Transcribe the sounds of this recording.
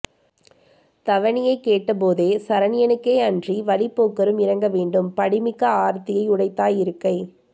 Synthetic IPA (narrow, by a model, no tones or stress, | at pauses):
t̪ɐʋɐɳɪjɐɪkːeːʈːɐp̬oːðeːsɐɾɐnɪjɐnɯkːeːɐndriʋɐɭɪpːoːkːɐɾɯmɪɾɐŋɡɐʋeːɳɖɯmpɐɽɪmɪkːɐaːɾt̪ɪjɐɪʊɽɐɪt̪ːaːjɪɾɯkːɐɪ